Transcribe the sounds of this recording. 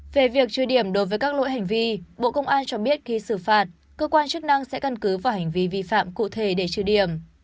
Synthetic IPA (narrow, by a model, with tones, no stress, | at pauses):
ve˨˩vi˨˩ək̚t͡ɕɨ˧˩ɗi˧˩əmɗo˨˦jvəː˨˦jkaː˦˥k̚lo̰˧˥jɦa˨˩jŋ̟vi˧ɓo̰˧˨kə˧wŋ͡mʔaː˧nt͡ɕɔ˧ɓi˦˥ət̚xi˧sɨ˧˩faː˨˩t̚ | kəː˧kwaː˧nt͡ɕɨ˦˥k̚na˧ŋsɛ̰˧˥kə˧nkɨ˨˦vaː˨˩wha˨˩jŋ̟vi˧vi˧fa̰ː˧˨mkṵ˧˨t̪ʰe˧˩ɗe˧˩t͡ɕɨ˧˩ɗi˧˩əm